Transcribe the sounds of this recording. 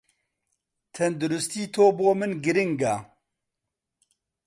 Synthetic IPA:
t̪ʰɛnd̪ʊɾʊst̪iːt̪ʰoːboːmɨnɡɨɾɪŋɡaː

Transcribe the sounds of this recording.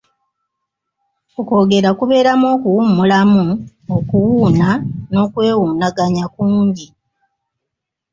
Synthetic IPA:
oko̞ːɡe̞ɾakuβe̞ːɾamo̞ːkuwumulamu | okuwuːnano̞ːkwe̞ːwuːnaɡaɲakuːɲɟi

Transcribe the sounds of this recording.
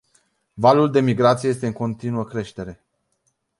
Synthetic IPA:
valuld̪e̞miɡɾat̪sijee̞s̬t̪e̞ɨŋko̞nt̪inuəkɾe̞ʃt̪e̞ɾe̞

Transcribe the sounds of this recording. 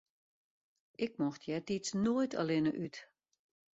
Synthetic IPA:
ʔɪk̚mɔxtjɛtit͡snoəjtʰa̰lɪnəʔyt

